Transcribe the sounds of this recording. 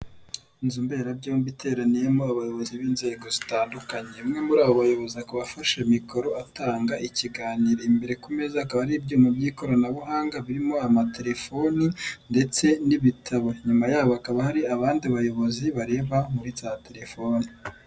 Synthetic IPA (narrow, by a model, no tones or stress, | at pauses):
nzumbe̞ːɾab̚ɟombitʰe̞ːɾanije̞moaβajoβo̞ziβiːnze̞ːɡo̞zitaːndukaɲemŋe̞muɾaːβoβajo̞βo̞ziakoβafaʃemiko̞ɾo̞ataːŋɡaʔiciɡaːniɾeimbe̞ɾe̞kume̞zakaβaɾibɟuːmabɟiːko̞ɾanaβuɦaːŋɡaβiɾimo̞amatʰe̞ɾe̞fo̞ninde̞t͡se̞niβitʰaβoɲumajaːβoakaβahaɾiaβaːndiaβajo̞βo̞ziβaɾe̞ːβamuɾizaːte̞ɾe̞fo̞ni